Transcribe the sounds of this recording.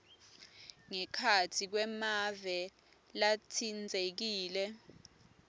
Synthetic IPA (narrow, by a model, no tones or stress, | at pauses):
ŋɛkʰatʰik̬wɛmavɛ | latʰind͡zʱek̬iːlɛ